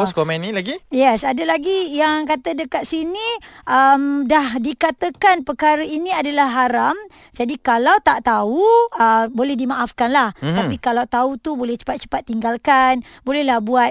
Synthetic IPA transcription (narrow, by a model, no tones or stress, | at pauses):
ɔskomɛ̃nːĩlaɡijɛsadəlaɡijaŋkat̪ədəkat̪̚siniʔəmdahdikat̪əkanpəkaɾəiniadalahɦaɾam | d͡ʒadikalawt̪aʔt̪auəbolɛhdimaʔafkanlaht̪apikalawt̪aut̪ubolɛht͡ʃə̥pat̪̚t͡ʃə̥pat̪̚ːiŋɡalkan | bolɛhlahbuat̪̚